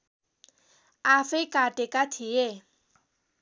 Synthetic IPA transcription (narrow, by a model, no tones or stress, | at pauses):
afɪkʼatʼɪkʼatʰɪe